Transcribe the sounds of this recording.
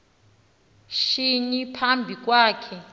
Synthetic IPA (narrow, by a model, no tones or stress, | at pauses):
ʃiɲipʰambʱik̬ʼwaːkʰɛ